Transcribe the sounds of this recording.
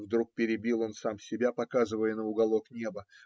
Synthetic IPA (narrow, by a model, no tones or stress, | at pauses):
vd̪ɾuk̚pʲɪɾʲɪbʲilˠo̞nsamsʲɪbʲapɐkazɨvəjənəʊɡɐlˠo̞knʲe̞bə